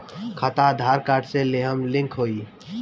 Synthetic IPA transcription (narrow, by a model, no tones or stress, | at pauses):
kʰət̪ad̪ʱaːɾkaːɾɖseleɦəmlɪ̃ŋkɦoːi